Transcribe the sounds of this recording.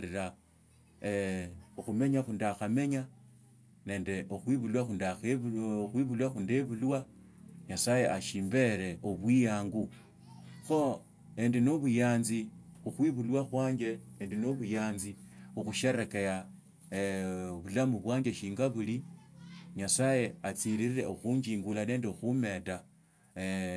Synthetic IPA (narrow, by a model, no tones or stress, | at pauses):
ɾiɾa | eoxume̞ɲaxundaxame̞ɲa | ne̞ːnde̞ʔoxwiβulwaxundaxexwiβulwaxundeβulwa | ɲasaje̞ʔaʃiːmbe̞ɾe̞ʔoβwijaːŋɡu | xo̞ | endinoβujaːnzixuxwiβulwaxwaːɲd͡ʒe̞endenoβujaːnziuxuʃe̞ɾeke̞ja | βulamuβwaːɲd͡ʒeʃiːŋɡaβuli | ɲasaje̞at͡siɾiriɾe̞oxuɲɡiːŋɡulane̞ːndeoxume̞ta